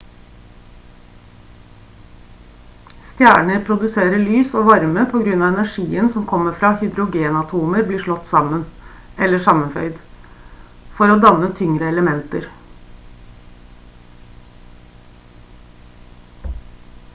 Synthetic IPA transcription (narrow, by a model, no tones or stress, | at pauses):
st̪jæ̰ːɳəɾpʰɾʊd̪ʉseːɾəɭyːsoːʋɑɾməpʰoːɡɾʉnɑːʋɛnæʂiːənsɔmkʰɔmːəfɾɑːhʏd̪ɾʊɡeːnɑt̪ʰuːməɾbliːʂɭɔt̪ːsɑmən | ɛlːəʂɑmənfœ̰ʏd̪ | fɔɾoːd̪ɑnət̪ʰʏŋɾəɛləmɛnt̪əɾ